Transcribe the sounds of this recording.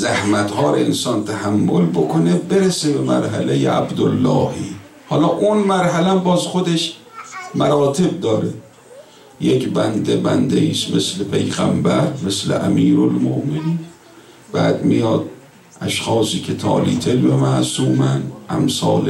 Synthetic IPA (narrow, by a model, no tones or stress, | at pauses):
zæhmæt̪hɒːɾeensɒːnt̪ʰæhæmːolbokʰonebeɾesebemæ̰ɾɦæ̰lejḛʔæbd̪olːɒ̰ːhiː | hɒːlɒːʔunmæɾɦælææmbɒːzxod̪eʃ | mæɾɒːt̪ʰe̞b̚d̪ɒːɾe | jekbænd̪ebænd̪eiːst̪meslepʰe̞jɣæ̰mbæɾmeslḛʔæmiːɾolmo̰ʔmeniːn | b̥æːd̪mijɒːd̪̚ | ʔæʃxɒːsiːkʰet̪ʰɒ̰ːliːt̪ʰelbemæʔsuːmænʔæ̰msɒːle